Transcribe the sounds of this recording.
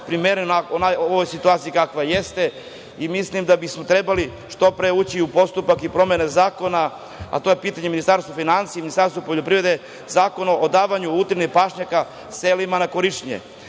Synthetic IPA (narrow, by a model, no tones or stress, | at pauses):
pɾimeɾennaonajooʋojsit̪uaːt̪sijikakʋajest̪e̞ | imislimd̪abismo̞t̪ɾe̞bali | ʃt̪o̞pɾeut͡ɕiupo̞st̪upakipɾo̞menezaːko̞na | a̰t̪o̞jepiːt̪aɲeminist̪aɾst̪ofinant̪sieminist̪aɾst̪vopoʎo̞pɾiʋɾe̞d̪e | zaːko̞naʔod̪aːʋaɲuut̪ɾenipaʃɲaka | selimanakoɾiʃɲḛ